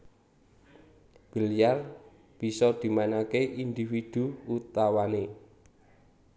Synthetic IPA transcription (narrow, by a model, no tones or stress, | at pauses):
b̥ə̤lijar | b̥i̤sɔd̪̥i̤mainakeʔind̪ifid̪̥ṳut̪awane